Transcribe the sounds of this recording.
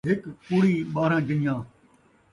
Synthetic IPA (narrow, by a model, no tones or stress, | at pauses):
ɦɪkkʊːɽiːɓaːɾãːd͡ʒənjãː